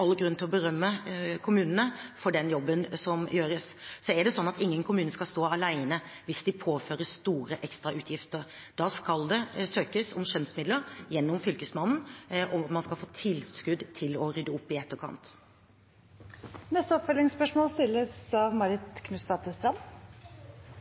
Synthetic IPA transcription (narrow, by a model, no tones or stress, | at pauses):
ɑlːɡɾʉnɪlɔbəɾœmːəkʰʊmʉːnənəfɔɖɛnjɔbːənsɔmjøːɾəssɔæɖɛsɔnːɑt̪ɪŋːənkʰʊmʉːnəskɑlst̪oːɑlæɪnə | ʋɪsd̪ɪpʰoːføːɾəst̪uːɾəʔɛkst̪ɾɑʔʉːt̪ʰjɪft̪əɾ | d̪̥ɑːskɑld̪ɛsøːkəsɔmʃɛnsmɪd̪ləɾjɛnːɔmfʏlkəsmɑnn̩ʔɔmɑnskɑlfoːt̪ʰɪlskʉd̪t̪ʰɪlɔɾʏd̪əʊpːɪɛt̪ːəkʰɑ̰nt̪ | nɛst̪əɔpfœlɪŋspœʂmoːlst̪ɪlːəsɑʋmɑɾɪt̪kʰnʉst̪ɑt̪əst̪ɾɑm